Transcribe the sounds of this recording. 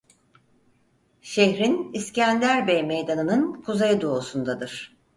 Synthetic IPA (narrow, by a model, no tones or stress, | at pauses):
ʃeçɾiniscænd̪æɾbejmejd̪anɯnɯnkʰuzejɯd̪o̞ːsund̪ad̪ɯɾ̥